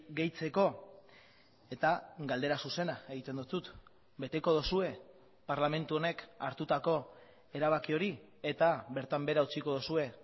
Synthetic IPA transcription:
ɡe̞jt͡se̞ko̞ | e̞t̪aɡald̪e̞ɾasuse̞nae̞ɣ̞it̪e̞nd̪usut̪ | be̞t̪e̞ko̞ð̞osue̞ | paɾlame̞nt̪uo̞ne̞kaɾt̪ut̪ako̞ | e̞ɾaβakio̞ɾi | e̞t̪aβe̞ɾt̪ambe̞ɾaut͡siko̞ð̞osue̞

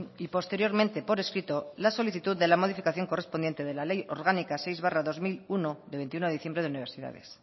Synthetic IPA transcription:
ipo̞st̪e̞ɾjo̞ɾmẽnt̪e̞po̞ɾe̞skɾit̪olaso̞liθit̪uððe̞lamo̞ð̞ifikaθjo̞ŋko̞re̞spo̞nd̪jent̪eð̞e̞lalejo̞̰ɾɣ̞anikasejzβaraðo̞zmilunoðe̞β̞e̞nt̪iunoiθjembɾe̞ðeuniβ̞e̞ɾsiða̰ð̞e̞̰s

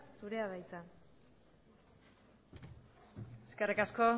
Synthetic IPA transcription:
suɾe̞aðajt͡sa | eskerikasko̞

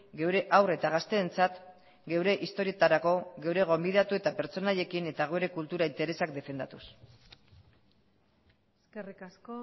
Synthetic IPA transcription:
ɡe̞wɾe̞ʔawre̞t̪aɣ̞ast̪e̞ːnt͡sat̪ | ɡe̞wɾe̞ʔist̪o̞ɾie̞t̪aɾako̞ɣe̞wɾe̞ɣ̞o̞mbið̞at̪ue̞t̪ape̞ɾt͡so̞naʎe̞kine̞t̪aɣ̞ueɾe̞kult̪uɾaint̪eɾe̞sak̚d̪e̞fe̞nd̪at̪us | eskerikasko

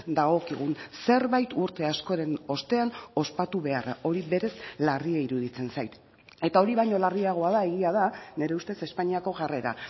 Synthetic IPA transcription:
d̪aɣ̞o̞kiɣ̞unse̞ɾβajt̪uɾt̪e̞asko̞ɾe̞no̞st̪e̞ano̞spat̪uβe̞ara̰o̞ɾiβe̞ɾe̞slariaiɾuðit͡se̞nsajt̪ | e̞t̪ao̞ɾiβajɲo̞lariaɣ̞o̞aðae̞ɣiað̞ane̞ɾeust̪e̞se̞spaɲiako̞ʝare̞ɾa̰

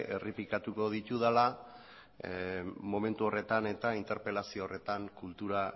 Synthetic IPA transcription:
ʔeripikat̪uko̞ð̞it̪uðala | mo̞me̞nt̪uo̞re̞t̪ane̞t̪aint̪e̞ɾpe̞lasio̞ːre̞t̪aŋkult̪uɾa

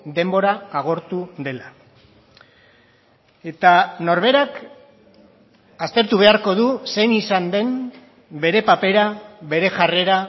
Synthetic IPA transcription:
d̪e̞mbo̞ɾaːɣ̞o̞ɾt̪uðe̞la | e̞t̪ano̞ɾβ̞e̞ɾak | ast̪e̞ɾt̪uβ̞e̞aɾko̞ðuse̞nisand̪e̞n | be̞ɾe̞pape̞ɾaβe̞ɾe̞ʝare̞ɾa

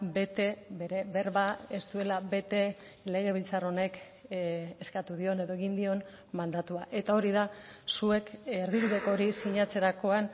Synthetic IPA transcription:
be̞t̪ebe̞ɾe̞βe̞ɾβae̞st̪ue̞laβe̞t̪e̞ | le̞ɣ̞e̞β̞ilt͡saro̞ne̞k | eskat̪uðio̞ne̞ðo̞eɣind̪io̞n | mand̪at̪uaʔe̞t̪ao̞ɾiðasue̞keɾðiβuðe̞ko̞ɾisiɲat͡se̞ɾako̞an

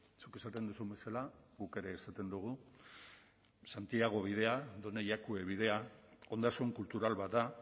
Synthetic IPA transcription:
suke̞sat̪e̞nd̪usumbe̞salaɣuke̞ɾe̞ːsat̪e̞nd̪uɣ̞u | sant̪iaɣ̞o̞β̞ið̞e̞aðo̞ne̞ʎakue̞β̞ið̞e̞ao̞nd̪askoeŋkult̪uɾalβat̪d̪a

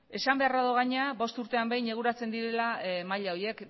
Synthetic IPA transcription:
e̞sambe̞araðoɣ̞aɲeabo̞st̪uɾt̪e̞ambejɲe̞ɣ̞uɾat͡se̞nd̪iɾe̞lamaʎao̞ie̞k

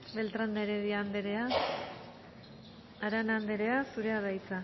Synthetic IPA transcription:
be̞lt̪ɾand̪eɾeðiand̪ɾea | aɾanand̪eɾe̞asuɾe̞aðajt͡sa

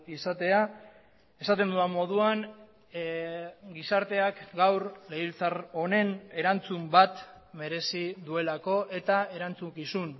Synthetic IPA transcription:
isat̪e̞a | e̞sat̪e̞nd̪uamo̞ð̞uan | ɡisaɾt̪e̞akɡawɾleilt͡saro̞ne̞ne̞ɾant͡sumbat̪ | me̞ɾe̞siðue̞lako̞ʔe̞t̪ae̞ɾant͡sukisun

